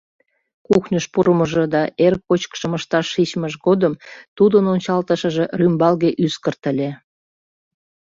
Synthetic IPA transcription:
kuxnʲəʃpuɾəməʒed̪ɑʔerkːot͡ɕkʃəməʃt̪ɑʃːit͡ɕməʒɣod̪əmt̪ud̪ənonʲt͡ɕɑlt̪əʃə̆ʒerymbɑlɣeʔyskərt̪ə̆lʲe

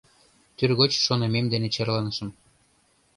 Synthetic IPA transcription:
t̪yrɣot͡ɕʃonememd̪enet͡ɕerlɑnəʃə̆m

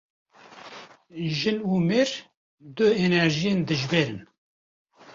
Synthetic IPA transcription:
ʒɨnuːmeːɾ | d̪ɨɛnɛɾʒijend̪ɨʒbeːɾɨn

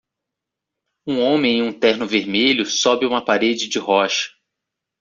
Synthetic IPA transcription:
ũõmẽj̃ẽũt̪ɛhnʊveɾmeʎʊsɔbɪũmɐpaɾed͡ʒɪd͡ʒɪɦɔʃɐ̥

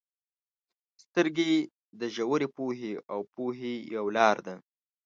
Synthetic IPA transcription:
st̪əɾɡe | d̪əʒawəɾepoɦeawpoɦejawlɑɾd̪a

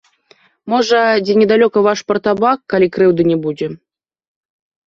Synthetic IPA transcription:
mɔʐɐd͡zʲɛnʲɛd̪alʲɔkɐvaʂpɐrt̪abakːalʲikɾɨwd̪ɨnʲɛbud͡zʲɛ

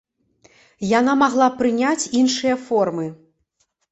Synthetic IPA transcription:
janamaɣlˠapɾɨnʲat͡sʲinʂɨjɐfɔrmɨ

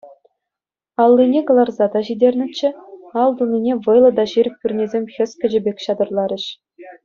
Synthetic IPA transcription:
ɑlˠːinʲeɡɤ̆lˠɑrzɑd̪ɑʑidʲerʲnʲɘ̆t͡ɕːɘ̆ɑlˠd̪unʲinʲeʋɤjlˠɤ̆d̪ɑʑiɾʲɘ̆k̚ʲpʲyrʲnʲezʲemʲxʲɘ̆sʲkʲɘ̆ʑɘ̆bʲekʲɕɑd̪ɤ̆rlˠɑɾʲɘ̆ɕ

